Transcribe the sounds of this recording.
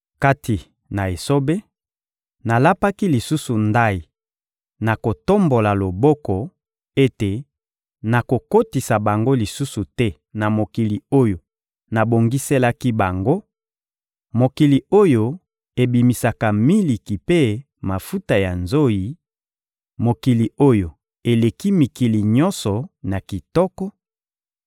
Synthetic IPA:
ka˦ti˨ | na˨e˨so˦be˦ | na˨la˦pa˦ki˦li˨su˦su˨nda˦ji˨ | na˨ko˨to˦mbo˨la˨lo˨bɔ˦kɔ˨ | e˦te˨ | na˨ko˨ko˦ti˨sa˨ba˨ŋɡo˦li˨su˦su˨tɛ˦ | na˨mo˨ki˨li˨o˦jo˨ | na˨bo˨ŋɡi˦se˦la˦ki˦ba˨ŋɡo˦ | mo˨ki˨li˨o˦jo˨ | e˨bi˨mi˨sa˨ka˨mi˦li˨ki˨pe˦ | ma˨fu˦ta˨ja˨nzo˦ji˨ | mo˨ki˨li˨o˦jo˨ | e˨le˨ki˦mi˨ki˨li˨ɲɔ˦nsɔ˨na˨ki˨tɔ˦kɔ˦

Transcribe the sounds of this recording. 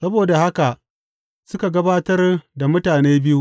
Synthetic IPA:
sɐ˦boː˨da˨ha˦ka˨ʔ | sʊ˦ka˨ɡɐ˦baː˦tɐ˦rda˨mʊ˦taː˨neː˦bɪ˦ju˦ʔ

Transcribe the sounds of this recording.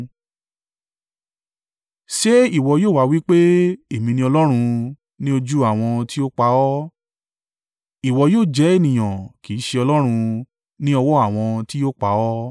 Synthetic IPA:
ʃe˦i˦˨wɔ˧joː˦˨wa˦wi˦k͡pe˦e˨mĩ˧nĩ˧ɔ˧lɔ˦ɾ̃ũ˧ | nĩ˦o˧d͡ʒu˦a˦˨w̃ɔ̃˧ti˦o˦k͡pa˧ɔ˦ | i˨wɔ˧joː˦˨d͡ʒɛ˨˦e˦˨nĩ˨j̃ã˨ki˨˦ʃe˧ɔ˧lɔ˦ɾ̃ũ˧ | nĩ˦ɔ˧wɔ˦a˦˨w̃ɔ̃˧ti˦jo˦˨k͡pa˧˦ɔ˦

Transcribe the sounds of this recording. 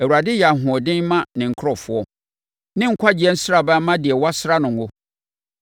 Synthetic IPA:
ɛ˨wu˨ɾa˨dɪ˦jɛ˨a˨ɦʊ̃˨ɔ˨dɪ̃˦n˦mã˦nɪ̃˨ŋ̩˨kʰɾɔ˦˨fʊ˦ɔ˦ | nɪ̃˦ŋ̩˦kʷʰa˦d͡ʑɪ˨ɛ˦n̩˦sɾa˨ba˦mã˦dɪ˨ɛ˨wa˦sɾa˦nʊ̃˨ŋ˨ʊ˦

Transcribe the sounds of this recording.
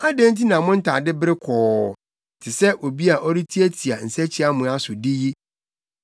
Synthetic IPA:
a˦dẽ˦n˦tʰi˦nã˨mʊ̃˦n̩˦tʰa˨dɪ˦bɾɪ˦kʰɔː˨ | tʰɪ˨sɛ˦ʔo˨bi˦a˨ʔɔ˦ɾi˦tʰi˦e˦tʰi˨a˨n̩˨sɛ˦t͡ɕʰi˦a˦mʊ̃˨a˦sʊ˨dɪ˦ji˦

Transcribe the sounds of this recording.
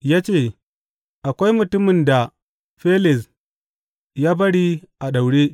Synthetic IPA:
jaː˦t͡ʃeː˦˨ | ʔa˨kʷa˦jmʊ˨tʊ˦mɪ˨nda˨ | ɸe˦lɪ˨s | jaː˦bɐ˦ɽi˦ʔa˨ɗa˨wɽe˦

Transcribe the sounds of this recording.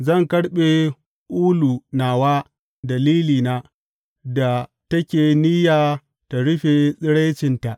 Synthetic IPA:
zɐ˦˨ŋkɐ˦ɽɓe˨ | ʔuː˦lu˨naː˨waː˦ | dɐ˨liː˦liː˨naː˨˦ | da˨ | tɐ˦kʲeː˨ni˦jaː˨ | ta˨ɽʊ˦ɸe˨sʼɪ˦ɽa˦t͡ʃɪ˨nta˨ʔ

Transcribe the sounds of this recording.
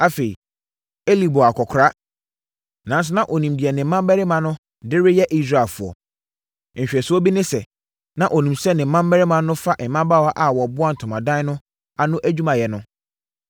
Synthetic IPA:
a˦fe˨ḭ˨ | e˦li˨bo˨a˨kʰɔ˨kʰɾa˦ | nã˨˦n˦s̬ʊ˦nã˦ʔo˨nĩ˨mdɪ˨ɛ˨nɪ̃˨m̩˦mã˦m˦bɛ˦ɾɪ˦mã˨nʊ̃˦ | dɪ˦ɾɪ˦jɛ˦ʔi˦s̬ɾa˨fʊ˨ɔ̰˨ | ɲ̩˨ɕᶣɛ˨sʊ˦ɔ˦bi˦nɪ̃˦sɛ˨ | nã˨ʔɔ˨nĩ˨msɛ˦nɪ̃˨m̩˦mã˦m˦mɛ˦ɾɪ˦mã˨nʊ̃˦fa˦ʔɛ˨˦mã˦ba˦˨wa˦ʔa˨wɔ˨bʊ˦a˦n̩˨tʰʊ̃˨mã˨dã˦nʊ̃˦ | a˦nʊ̃˦ʔæ˦d͡ʑᶣu˦mã˨jɛ˨nʊ̃˦

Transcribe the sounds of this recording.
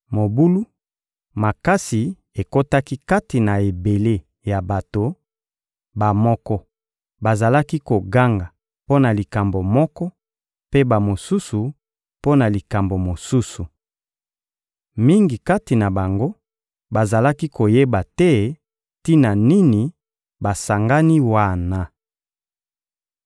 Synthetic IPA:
mo˨bu˦lu˦ | ma˨ka˦si˨ | e˨ko˦ta˦ki˦ka˦ti˨na˨e˨be˨le˦ | ja˨ba˨to˨ | ba˨mɔ˦kɔ˦ | ba˨za˨la˦ki˦ko˨ɡa˦ŋɡa˨ | po˦na˨li˨ka˨mbo˨mɔ˦kɔ˦ | pe˦ba˨mo˨su˦su˨ | po˦na˨li˨ka˨mbo˨mo˨su˦su˨ | mi˦ŋɡi˨ka˦ti˨na˨ba˨ŋɡo˦ | ba˨za˨la˦ki˦ko˨je˦ba˨tɛ˦ | ti˦na˨ni˦ni˨ | ba˨sa˨ŋɡa˦ni˦wa˦˨na˨

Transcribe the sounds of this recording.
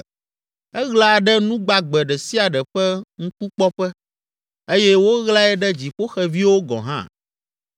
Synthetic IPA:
ɛ˦ɣla˦˨ɖɛ˦nũ˦ɡ͡ba˦ɡ͡bɛ˨ɖɛ˨si˦a˨ɖɛ˨ɸɛ˦ŋũ˦ku˦k͡pɔ˦ɸɛ˦ | e˦jɛ˦wo˦ɣla˦ɛ˦ɖɛ˦d͡ʑi˨ɸo˦xɛ˨vi˦wo˦ɡɔ̰˨ɦã̰˦

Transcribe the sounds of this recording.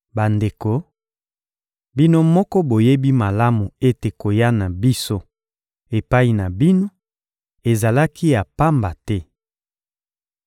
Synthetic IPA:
ba˨nde˨ko˨ | bi˦no˦mɔ˦kɔ˦bo˨je˦bi˦ma˨la˦mu˨e˦te˨ko˨ja˦na˨bi˦so˦ | e˨pa˦i˨na˨bi˦no˦ | e˨za˨la˦ki˦ja˨pa˦mba˨tɛ˦

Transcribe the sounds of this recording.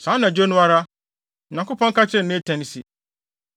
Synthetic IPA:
sãː˨˦nã˨d͡ʑo˦nʊ̃˦a˦ɾa˦˨ | ã˨kʊ˦pʰɔ̃˦ŋ̩˦ka˦t͡ɕʰɪ˦ɾɪ˨nẽ˦tʰɛ̃˨ni˨si˨

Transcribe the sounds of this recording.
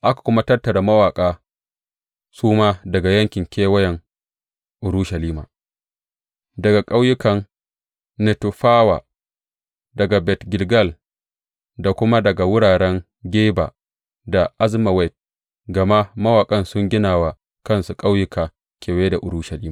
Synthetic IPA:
ʔa˦kḁ˨kʷʊ˦ma˦tɐ˦rtɐ˨ɾa˨mɐ˦waː˨kʼaː˦ | suː˦maː˦dɐ˨ɡa˨jɐ˦ŋkʲɪ˨ŋkʲeː˦wɐ˦jɛ˨ŋ | ʔʊ˨ɾu˦ʃɐ˨liː˦ma̰ː˨ | dɐ˨ɡa˨kʼa˦wjʊ˦kɐ˨n | nɛ˨tu˨ɸaː˦wa̰˨ | dɐ˨ɡa˨bɛ˨tɡʲɪ˨lɡɐ˦˨l | da˨kʷʊ˦ma˦dɐ˨ɡa˨wʊ˦ɽaː˨ɽɛ˦ŋ | ɡʲeː˦ba̰ː˨ | da˨ʔa˦zma˨wɛ˦˨t̚ | ɡɐ˨ma˦mɐ˦waː˨kʼɐ˦nsʊ˦ŋɡʲɪ˦naː˨wa˨ | kɐ˦˨nsu˨kʼa˦wjʊ˦kaː˨ | kʲeː˨weː˦da˨ʔʊ˨ɾu˦ʃɐ˨liː˦ma˨

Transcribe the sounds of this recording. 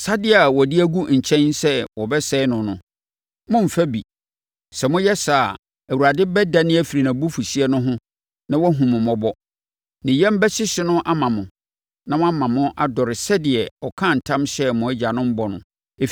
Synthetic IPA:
sa˦dɪ˦a˨wɔ˨dɪ˦æ˦ɡu˦˨ɲ̩˨t͡ɕʰɛ̃˦nsɛ˦wɔ˨bɛ˦sɛ˦ɪ˦nʊ̃˨nʊ̃˦ | mʊ̃˦m̩˨fæ˦bi˨ | sɛ˨mʊ̃˦jɛ˦sa˨ | æ˨wu˨ɾa˨dɪ˦bɛ˦da˨nɪ̃˦æ˨fi˨ɾi˨nã˨bu˦fu˨si˦ɛ˦nʊ̃˦ɦʊ̃˦ | nã˦wɔ˦ɦũ˨mʊ̃˨mɔ̃˦bɔ˦ | nɪ̃˨jɛ̃˦m̩˦bɛ˦ɕɪ˦ɕɪ˦nʊ̃˦ʔa˦mã˨mʊ̃˨ | nã˦w̃a˦mã˨mʊ̃˦ʔa˨dɔ˨ɾɪ˨sɛ˦dɪ˨ɛ˨ɔ˨kʰã˦˨n̩˨tʰã˦mɕɛ˦mʊ̃˨˦æ˦d͡ʑa˨nʊ̃˦m̩˦bɔ˨nʊ̃˨ | e˨

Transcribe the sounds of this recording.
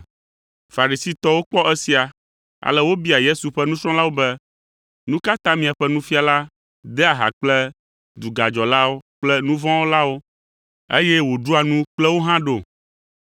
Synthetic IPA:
fa˨ɾi˨si˦t̪ɔ˦wo˦k͡pɔ˦ʔɛ˦si˨a˨ | a̰˨lɛ˦wo˦bi˦a˨je˦su˨ɸɛ˦nũ˦sɾɔ̃˦la˦wo˦bɛ˦ | nũ˦ka˦t̪ã˦mĩ˨a˨ɸɛ˦nũ˦fi˦a˨la˦ | d̪ɛ˦a˨ɦa̰˨k͡plɛ˦ | d̪u˨ɡa˨d͡ʒɔ˨la˦wo˦k͡plɛ˦nũ˦vɔ̃˦wo˦la˦wo˦ | ḛ˦jɛ˦wo˨ɖu˦a˨nũ˦k͡plɛ˦wo˦ɦã˦ɖo˦˨

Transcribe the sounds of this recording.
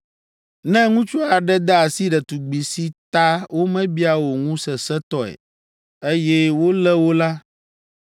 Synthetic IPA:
nɛ̃˦ŋũ˦t͡ʃu˦a˨ɖɛ˦d̪ɛ˦a˨si˦ɖɛ˨t̪u˨ɡ͡bi˨si˦t̪a˦wʔo˦mɛ̃˦bi˦a˦wo˨ŋũ˦sɛ˨sɛ˦t̪ɔ˦ɛ̰˨ | e˦jɛ˦wo˦lɛ˦wo˦la˦

